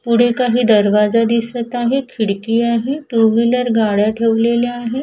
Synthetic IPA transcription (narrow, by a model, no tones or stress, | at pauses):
puɽ̤ekaɦiːd̪əɾʋad͡zad̪isət̪aɦekʰiɽkiːaɦeʈuʋiləɾɡaɽjaʈʰeʋleleaɦe